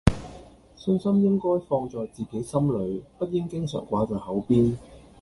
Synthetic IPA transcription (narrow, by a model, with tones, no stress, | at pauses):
sɵ˧nsɐ˥mjɪ˥ŋkɔː˥jfɔː˧ŋt͡sɔː˨jt͡siː˨ke˨˥jsɐ˥mlɵ˨˧ɥpɐ˥t̚jɪ˥ŋkɪ˥ŋsœ̰ː˨˩ŋkʷaː˨˥t͡sɔː˨˩hɐ˨˥wpiː˥n